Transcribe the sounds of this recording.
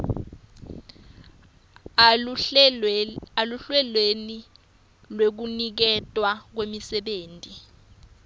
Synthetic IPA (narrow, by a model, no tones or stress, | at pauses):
aluɬwɛlweni | lwek̬unik̬ɛtʼwak̬wemisɛɓeːntʼi